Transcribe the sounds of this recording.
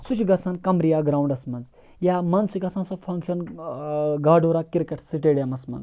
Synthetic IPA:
sut͡ʃʰɡɐsaːnkɐmɾijaːɡɾawɳɖɐsmɐnz | jaːmɐnsiɡɐsʰãnsɐfʰɐŋkʃɐn | ɡaːɖoːɾaːkiɾkeʈsiʈeɽjamɐsmɐ̰nz

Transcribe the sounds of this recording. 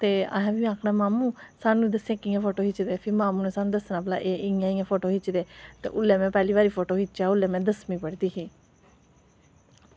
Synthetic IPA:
t̪eːã̰ːɦãːbiːãːkʰɽaːmaːmũːsaːnũĩd̪əsẽːkiːãːpʰoːʈoːɦɪt͡ʃd̪eːpʰɪɾmaːmũːnẽːsaːnũːd̪əsnãːpla̰ːʔeːɪjãːĩːãːpʰoːʈoːɦɪt͡ʃd̪eːt̪ḛːʔʊlːeːmɛ̃ːpɛːliːβaːɾiːpʰoːʈoːɦɪt͡ʃːt͡ʃaːʊlːẽːmɛ̃ːd̪əsmĩːpəɽd̪iːkiː

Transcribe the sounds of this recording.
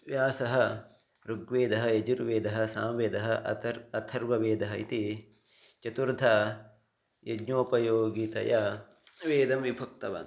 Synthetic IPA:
ʋjaːsɐɦɐ̆ | ɾuɡʋeːd̪ɐɦɐ̆jɐd͡ʒuɾʋeːd̪ɐɦɐ̆saːmʋeːd̪ɐɦɐ̆ɐt̪ʰɐɾʋɐʋeːd̪ɐɦɐit̪i | t͡ʃɐt̪uɾd̪ʱɐ | jɐɡɲoːpɐjoːɡit̪ɐ̰jɐ | ʋeːd̪ɐmʋibʱɐk̚t̪ɐʋɐ̰n

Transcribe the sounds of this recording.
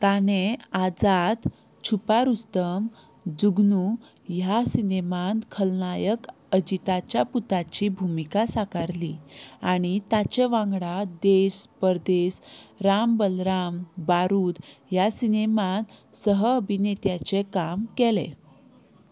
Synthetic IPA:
t̪anead͡zad̪ | t͡ɕʰupaɾust̪əm | d͡zuɡnu | jasinemankʰəlnajək | əd͡ʑit̪at͡ɕjaput̪at͡ɕibʱumikasakaɾliaɽ̃it̪at͡ɕeʋãŋɡɽad̪eɕpəɾd̪esɾambəlɾambaɾuːt̪jasinemansəɦəːbʱinet̪jat͡sekamkelḛ

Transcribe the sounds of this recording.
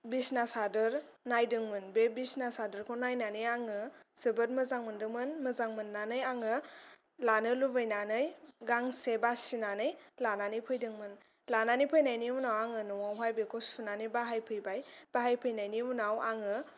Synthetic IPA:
bisnasadɯɾ | najdɯŋmɯnbebisnasadɯɾkʰɔnajnanɯjaŋɯsɯbɯɾmɯzaŋmɯndɯŋmɯnmɯzaŋmɯnːanɯjaŋɯ | lanɯlubɯjnanɯjɡaŋsebasinanɯjlananɯjpʰɯjdɯŋmɯn | lananipʰɯjnajniunawaŋɯnɔwawɦajbekʰɔsunanɯjbaɦajpʰɯjbajb̥aɦajpʰɯjnajnimunawaŋɯ

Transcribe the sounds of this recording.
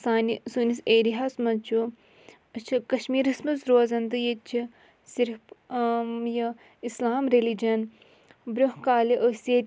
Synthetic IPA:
saːnisuniseːɾiɦasmɐt͡ʃʰu | ɐt͡ʃʰikɐʃmiːɾismɐzɾoːzɐnd̪ɨjet͡ʃʰi | siɾpmjɐ | islaːmɾelid͡ʒɐn | bɾʲoɦkaːliʔəseː

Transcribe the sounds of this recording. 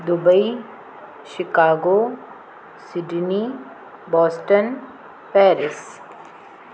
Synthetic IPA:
d̪ʊbəi | ʃɪkaːɡoː | sɪɖni | bɔːsʈən | pɛːɾɪs

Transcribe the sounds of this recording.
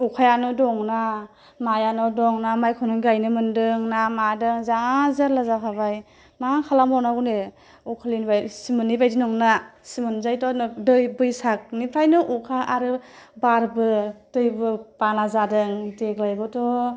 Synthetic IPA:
ukʰajanɔdɔŋna | majanɔdɔŋnamajkʰɔnɯɡajnɯmɯndɯŋnamadɯŋzaŋazaɾlazakʰabaj | maŋakʰalamɔnaɡune | ukʰalinbajsimɯnːibajdinɔŋnasimɯnzajtɔndɯjbɯjsak̚nipʰɾajnɯʔukʰaʔaɾɯbaɾbɯtɯjbɯpanazadɯŋdeɡlajɡɔtɔ

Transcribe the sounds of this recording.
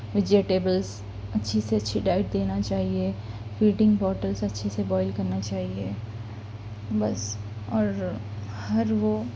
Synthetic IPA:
ʋɪd͡ʒeʈeːbəlz | ɐtːʃʰiseɐtːʃʰiɖaːɪʈ̚d̪eːnat͡ʃaːɦiefiːʈɪ̃ŋɡbɔːɾʈəlsɐtːʃʰisebɔːɪlkɐɾnat͡ʃaːɦie | bɐs | ɔːɾhɐɾʋo

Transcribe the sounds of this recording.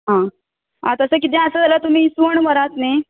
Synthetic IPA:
ɦã | ɦã̰t̪əsəkit̪̬ẽəsəd͡zʱalət̪um̤iːsuəɳməɾat̪ne

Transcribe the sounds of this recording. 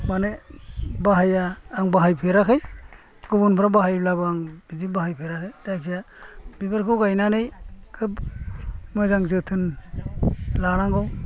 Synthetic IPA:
manebaɦajaːŋbaɦajpʰeɾakʰɯj | ɡubunpʰɾabaɦajlabaŋizibaɦajpʰeɾakʰɯjdajkʰija | bibaɾkʰɯwɡajnanɯjkʰɯb | mɯzaŋzɯtʰɯn | laɾaŋɡɔw

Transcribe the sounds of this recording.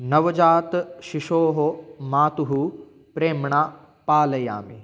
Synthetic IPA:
nɐʋɐd͡ʒaːt̪ʃiʃoːɦomaːt̪uɦu | pɾeːmɳaː | paːlɐja̰ːmḭ

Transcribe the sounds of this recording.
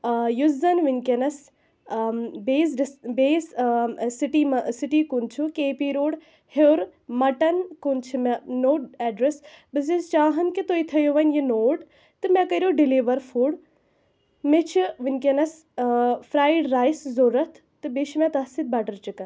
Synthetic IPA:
juzɐnʋinʲkenɐs | beːsɖbeːssiʈimɐsiʈiːkunt͡ʃʰukeːpiɾoːɽ | hewɾmɐʈɐnkunt͡ʃʰimɛnoːʈɛːɖɾes | bɨs̬izt͡ʃaːɦɐnkit̪oːit̪ʰɐjoʋɐnjinoːʈ | t̪ɨmɛ̃kɐɾʲjoːɖiliːʋɐɾfʰuːɽ | met͡ʃʰiʋinkʲenɐs | fɾaːjɖɾaːjszoːɾɐt̪ʰ | t̪ɨbeːʃmɛ̃t̪ɐsit̪̚bɐːʈɐɾt͡ʃikɐn

